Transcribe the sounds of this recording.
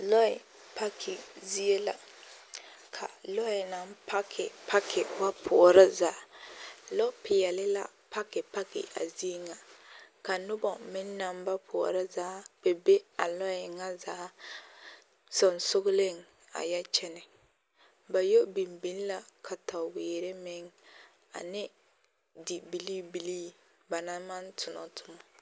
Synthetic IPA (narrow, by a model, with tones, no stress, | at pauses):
lɔ˦ɪ˨ | pa˦kʰɪ˨zi˦e˦la̰˨ | kʰa̰˨lɔ˦ɪ˨na˨˦m˦pa˦kʰɪ˨pa˦kʰɪ˨wa˦pʰʊ˨ɾa˦za˨˦ | lɔ˦pɪ˨ɛ˨lɪ˦la̰˦ | pa˦kɪ˨pa˦kɪ̰˨a̰˨zi˦e˦ŋa˨ka˨nʊ˦bɔ˨mɪ˦nː˦a˨˦mba˦pʰʊ˨ɔ̰˨ɾa˦zaː˦b̥e˨be˦a˨lɔ˦ɛ˨ŋa˦za˨˦ | sɔ˨nsʊ˦ɣʊ˦le˦˨ŋ | a̰˨ja˦t͡ʃɛ˦nɪ˨ | ba˨jo˦bi˨mbi˦n˦la˦kʰa˨ta˨weː˨ɾe˦mɪ˦ŋ | a̰˨nɪ˦ | dɪ˨bi˨li˦bi˨liː˦ | ba˨na˦ma˦ntʰʊ˨nɔ̰˦tʰʊ˨˦mɔ˨